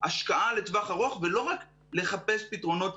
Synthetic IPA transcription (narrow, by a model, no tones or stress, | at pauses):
aʃkaʔaletvaχaʁo̞χvelo̞ʁak | le̞χape̞spitʁo̞no̞t̪